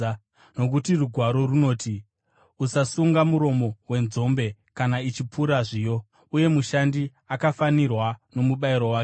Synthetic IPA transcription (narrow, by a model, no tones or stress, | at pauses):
no̞k̬utiruɡʱwaɾo̞runo̞ːti | usasuŋɡamuɾo̞mo̞we̞nzo̞mbe̞kanait͡ʃipuɾaʐiːjo̞ | uje̞muʃandi | akafanirwano̞muɓaiɾo̞waːk